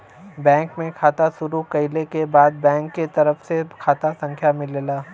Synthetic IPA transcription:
bɛ̃ːŋkmẽkʰaːt̪asʊɾukɐɪlekebaːd̪̚bɛ̃ːŋkːet̪ɐɾəfsekʰaːt̪asɐ̃ŋkʰjamɪleːlaː

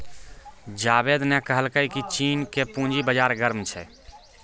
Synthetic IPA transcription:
d͡ʒabed̪nɛkəɦəlkəikit͡ʃiːnkepũd͡ʒibəd͡ʒaɾɡəɾmt͡ʃʰɛ̰

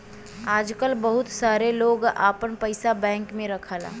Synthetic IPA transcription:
aːd͡ʒkəlbɐɦʊt̪saːɾeloːɡaːpənpəɪsabɛ̃ːŋkmẽɾɐkʰaːla̰ː

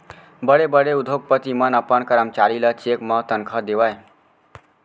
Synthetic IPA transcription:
bəɽebəɽeud̪ʱok̚pət̪imənəpənkəɾəmt͡ʃaɾilət͡ʃekmʌ̃t̪ənkʰəd̪eʋaj

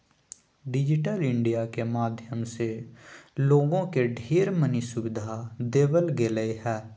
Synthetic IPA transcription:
ɖɪd͡ʒɪʈəlɪ̃ɳɖijakemaːd̪ʱjəmse | loːɡõkeɖʱiːɾmənisʊʋɪd̪ʱad̪eːbəlɡeləeɦɛː

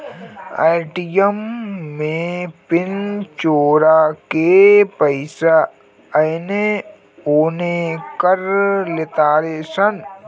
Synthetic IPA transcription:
a̰ːɪʈijəmːẽpɪnt͡ʃoːɾakepəɪsa | ɐjne | oːnekəɾlɪt̪aːɾesən

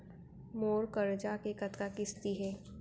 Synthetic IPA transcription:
moːɾkəɾd͡ʒakekət̪kakɪst̪iɦɛː

